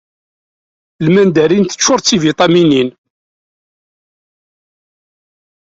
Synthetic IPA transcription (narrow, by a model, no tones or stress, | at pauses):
lmænd̪æɾint̪ə̥t͡ʃːʊɾˤt͡sːivit̪ˤɑminin